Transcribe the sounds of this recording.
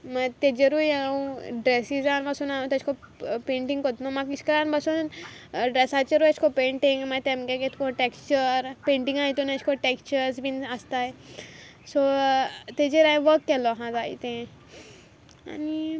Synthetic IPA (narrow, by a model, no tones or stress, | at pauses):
mat̪ed͡ʑeɾueũɖɾesid͡zanbasuːnãt̪et͡ʃʰkopẽɳʈiŋɡkot̪nomakit͡ʃkəɾanbasuːnɖɾesat͡ɕeɾujət͡ʃʰkopẽɳʈiŋɡmat̪ẽmkeket̪ʰkoʈekst͡ɕəɾpẽɳʈĩŋɡait̪unet͡ʃʰkoʈekt͡ɕəɾsbinast̪aj | sot̪ed͡ʑeɾajʋəkːɛloɦãd͡zaḭt̪ẽ | a̰ni